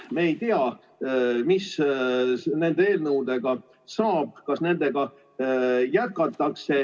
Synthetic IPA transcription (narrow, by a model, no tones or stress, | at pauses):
meːjt̪eɑ | mis | ne̞nd̪ee̞ːlnəwd̪e̞ɡ̥ɑ | sɑːb̥̚kɑsne̞nd̪̥e̞ɡ̥ɑ | jæt̪̚kːɑt̪ːˑɑkse̞